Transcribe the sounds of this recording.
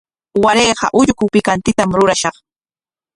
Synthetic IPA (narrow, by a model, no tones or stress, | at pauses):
waɾeːɢɑ̰ʔʊʎkʊpɪkant̪ɪt̪amɾʊɾaʃɑχ